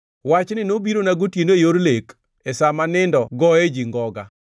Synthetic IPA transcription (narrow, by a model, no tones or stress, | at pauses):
wat͡ʃnɪnobiɾonaɡotjenoejoɾlek | esamanɪndɔɡɔed͡ʒiŋɡɔɡa̰